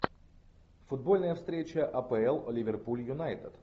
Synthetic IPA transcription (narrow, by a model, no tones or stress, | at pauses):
fʊd̪̚bolʲnɐjɐfst̪ɾɛt͡ʃɐʔɐpɛɛlˠolʲivʲɛɾpulʲjunajt̪ət̪